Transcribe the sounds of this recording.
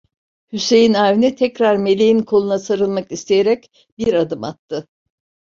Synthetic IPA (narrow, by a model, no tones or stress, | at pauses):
hyse̞jinaːvinɛt̪ʰɛcɾaɾme̞lʲejinkʰo̞lˠunasaɾɯlˠmakist̪ʰejeɾɛc | biɾad̪ɯma̰t̪ʰːɯ